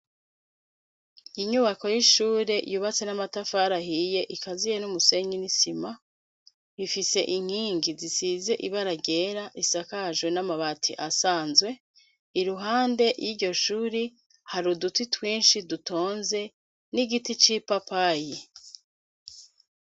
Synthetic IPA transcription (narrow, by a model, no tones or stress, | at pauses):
iɲuβako̞jiʃuːɾe̞juːβat͡se̞namatafaɾahije̞ʔikazijenumuse̞ɲinisima | ifise̞̰ʔiŋ̥hiːŋɡizisize̞ʔiβaɾaɟe̞ɾaʔisakaʒwenamaβatʰḭʔasaːnzwe̞ | iɾuɦaːnde̞jiɾɟo̞ʃuːɾi | haɾudutitwiːnʃiduto̞ːnze̞ | niɡitit͡ʃipapaji